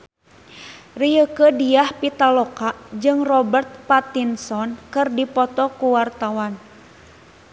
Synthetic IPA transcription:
rijəkədiahpit̪alɔkaʔd͡ʒɨŋrɔbərt̪̚pat̪insɔnkɨrdipɔt̪ɔkuwart̪awan

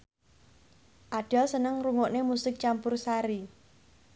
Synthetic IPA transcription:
ʔaɖ̥a̤sənəŋruŋoʔnemusɪk̚t͡ʃampʊrsaɾi

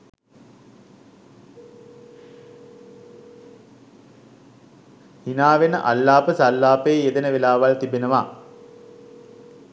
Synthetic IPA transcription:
hinaːʋenə̰ʔalːaːpəsalːaːpeːjed̪enəʋelaːʋalt̪ibenəʋa

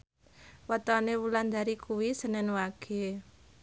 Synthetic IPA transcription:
wɔt̪ɔnewuland̪aɾikuwisənɛnwaɡ̥e̤

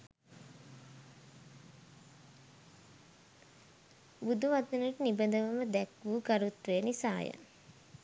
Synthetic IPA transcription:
bud̪uʋat̪inuʈənibəd̪əʋəməd̪ɛkʋuːɡaɾut̪ɾejənisa̰ːjə̰

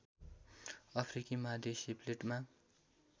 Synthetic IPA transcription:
ʌpʰrikimad̪ʱesibleʈma

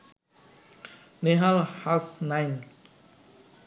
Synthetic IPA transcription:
neɦalhasnajn

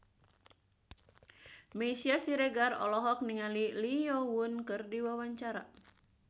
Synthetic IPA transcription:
mesiasiɾɛɡarɔ̰lɔɦɔk̚niŋaliliɔwunkɨrdiwawaɲt͡ʃaɾa̰

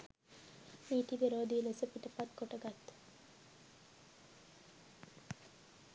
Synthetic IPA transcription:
miːʈ̪ibeɾoːd̪iːlesɐpiʈɐpat̪koʈɐɡat̪ː

